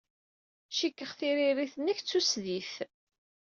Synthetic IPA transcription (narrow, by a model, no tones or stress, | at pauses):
ʃikːəχθiɾiɾiθənæçt͡sːusðiθ